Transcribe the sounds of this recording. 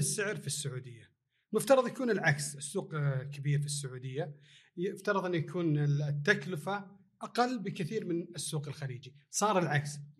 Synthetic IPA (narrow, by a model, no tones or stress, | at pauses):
ɪsːɪʕɾfisːʊʕuːd̪ɪjːa | mʊft̪ɑɾˤɑðˤjakuːnɪlʕaksɪsːuːqkʰabiːɾfisːʊʕuːd̪ɪjːajɪft̪ɑɾˤɑðˤʔɪnːujakʰuːnɪt̪ːaklʊfa | ʔaqɑlːbɪkɪθiːɾmɪnɪsːuːqɪlxaliːd͡ʒisˤɑːɾˤɪlʕaks